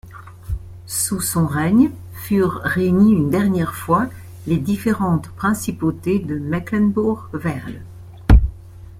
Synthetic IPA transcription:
susɔ̃ʁɛɲ | fyʁʁeyɲiynd̪ɛʁnjɛʁfwa | led̪ifeʁɑ̃t̪pχɛ̃sipot̪ed̪əmaklɛnbuʁvɛʁl

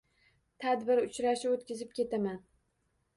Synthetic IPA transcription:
t̪ʰad̪bɪɾʊt͡ʃɾaʃɪot̪kʲɪzɪp̚kʲe̞t̪ʰaman

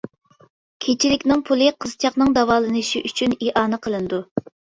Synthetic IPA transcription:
kʲʰet͡ʃʰilɪkʲnɪŋpʰulˠɨqʰəz̥t͡ʃʰɑqnɨŋd̪ɑvɑːlˠɨnɨʃiʔyt͡ʃʰyniʔɑːnɨqʰəlˠɨnɨd̪u

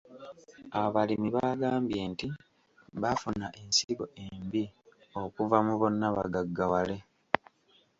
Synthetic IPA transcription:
aβalimiβaːɡaːmbje̞ːnti | βafunaʔe̞nsiɡo̞̰ʔe̞mbio̞kuvamuβo̞nːaβa̰ɡaɡːawale̞

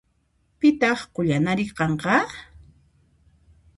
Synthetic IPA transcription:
pɪt̪ɑχqʊʎanaɾɪqɑɴqɑ

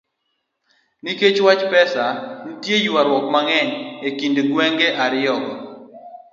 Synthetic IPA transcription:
niket͡ʃwat͡ʃpɛsanitjejuaɾwɔkmaŋɛɲekindɡwɛŋɡeʔaɾɪjɔɡɔ

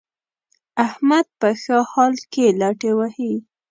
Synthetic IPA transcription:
ahmad̪̚pəxəhɑlkelɑʈewahi

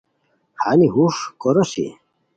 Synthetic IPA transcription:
haniɦuʂkoɾosḭ

